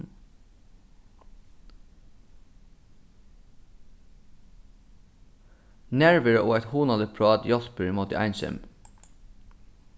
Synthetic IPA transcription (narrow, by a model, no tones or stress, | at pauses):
næɹʋəɹəoːɛt̪huːnɑd̪əpʰɹɑːd̪jɔspəɹmoːt̪ə̰ʔæ̰ɪnʃɛ̰m